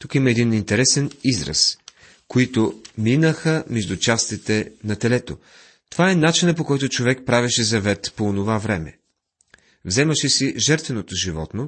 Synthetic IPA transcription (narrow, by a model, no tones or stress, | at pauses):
t̪ukimɐɛd̪inint̪ɛɾɛsɛnizɾə̰s | koit̪ominəxəmɛʒd̪ut͡ʃast̪it̪ɛnɐt̪ɛlɛt̪o | t̪ovaɛnat͡ʃinəpokɔjt̪ʊt͡ʃovɛk̚pɾavɛʃɛzɐvɛt̪poːnovavɾɛmɛ̰ | vzɛmɐʃɛsiʒɛɾt̪vɛnot̪oʒivɔ̰t̪no